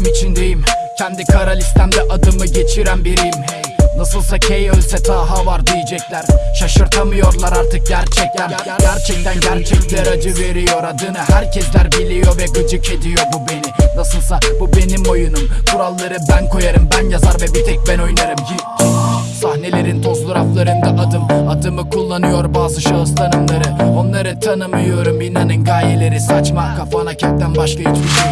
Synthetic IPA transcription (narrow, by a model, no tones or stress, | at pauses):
mit͡ʃʰind̪ejimcʲʰɛnd̪ikʰaɾalʲist̪ʰæmd̪ɛʔad̪ɯmɯɟe̞t͡ʃʰiɾænbiɾijimnasɯlˠsacʰejølʲsɛt̪ʰaːɦavaɾd̪ijid͡ʒɛclʲæɾ̥ʃaʃɯɾt̪ʰamɯjo̞ɾlˠaɾaɾt̪ʰɯk̚ɟæɾt͡ʃʰɛc̚t̪ʰæn | ɟæɾt͡ʃʰɛc̚t̪ʰænɟæɾt͡ʃʰɛclʲæɾad͡ʒɯve̞ɾijo̞ɾad̪ɯnɯhæɾcʰɛslʲæɾbilʲijo̞vɛkɯd͡ʒuce̞d̪ijo̞bube̞ninasɯlˠsabube̞nimo̞junumkʰuɾalˠːaɾɯbænkʰo̞jaɾɯmbænjazaɾvɛbit̪ʰɛc̚bæno̞jnaɾɯm | sahne̞lʲe̞ɾint̪ʰo̞zloɾaflˠaɾɯnd̪anad̪ɯmad̪ɯmɯkʰulˠːanɯjo̞ɾbaːzɯʃaɯst̪ʰanɯmlˠaɾɯo̞nlˠaɾɯt̪ʰanɯmɯjjo̞ɾumbinanɯnɡaːlʲelʲe̞ɾisat͡ʃmakʰafanacʰɛm̚t̪ænbaʃkait͡ʃ̪ʰi